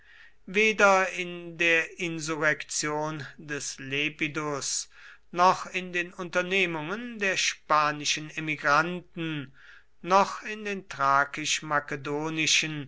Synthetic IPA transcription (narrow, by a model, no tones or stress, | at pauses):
veːdɐɪndeːɐʔɪnzuʁɛkt͡sjoːndɛslepidʊs | nɔχɪndeːnʊntɐneːmʊŋəndeːɐʃpaːnɪʃən̩emiɡʁantn̩ | nɔχɪndeːntʁ̥aːkɪʃmakedoːnɪʃən